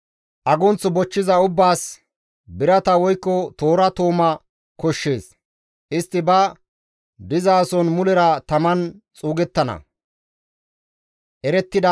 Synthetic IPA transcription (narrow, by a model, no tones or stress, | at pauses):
ʔɐɡɔnt͡sːɔbɔt͡ʃːɪzɐʊbːaːs | bɪɾɐt̪ɐwɔjkːɔt̪oːɾɐt̪oːmɐ | kɔʃːe̞ːs | ʔɪst̪ːɪbɐ | d̪ɪzaːsɔnmʊlɛɾɐt̪ɐmɐnt͡sʼuːɡɛt̪ːɐnɐ̰ | ʔɛɾɛt̪ːɪd̪ɐ